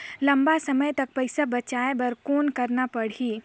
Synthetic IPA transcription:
lɐmbasəməjt̪ɐk̚pəjsabɐt͡ʃaebɐɾkoːnkəɾnapəɽ̤iː

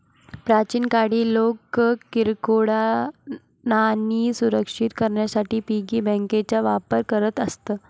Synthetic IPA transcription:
pɾat͡ɕiːnkaɽiːlokkiɾkoɽa | naniːsuɾəkʂit̪kəɾɳjasaʈiːpiɡiːbɛ̃ŋket͡ɕaʋapəɾkəɾət̪əst̪əː

